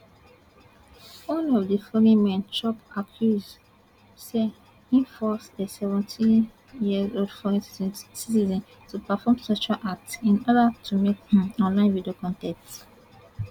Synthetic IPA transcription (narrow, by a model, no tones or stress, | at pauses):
õnliɔvdifɔlĩmɛ̃nt͡ʃɔpakʰjuz | se | ĩɱfɔsdəsɛvɛ̃ntʰĩ | jiəzoldfɔɹĩssitizɔ̃n | tupafɔmsɔʃalʔak̚tsĩnɔdatʰumekɔ̃nlãɪ̃nvidiokɔ̃ntɛ̃kt